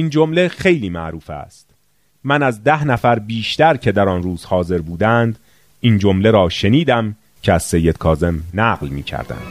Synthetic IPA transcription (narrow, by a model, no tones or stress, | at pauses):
ʔiːnd͡ʒomle̞xe̞jliːmæ̰ʔɾuːfæ̰st̪ | mænæzd̪æhnæfæɾbiːʃt̪æɾcʰe̞d̪æɾɒnruːz̥hɒːze̞ɾbuːd̪ænd̪ | iːnd͡ʒo̞mle̞ɾɒːʃeniːd̪æm | cʰeæz̥se̞jːe̞d̪̥̚kʰɒːze̞mnæːɢlmiːcʰæ̰ɾd̪æ̰nd̪̥